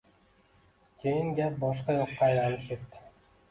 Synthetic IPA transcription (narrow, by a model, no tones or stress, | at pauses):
kʰʲejiŋɡʲæp̚bɒʃ̬qɑjoqːɑɑjlɑnɯp̚kʲe̞t̪ːɪ̥